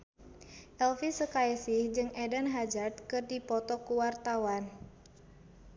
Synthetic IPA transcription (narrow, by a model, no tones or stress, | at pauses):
ʔɛlfisəkaisihd͡ʒɨŋɛdənɦad͡ʒart̪̚kɨrdipɔt̪ɔkuwart̪awan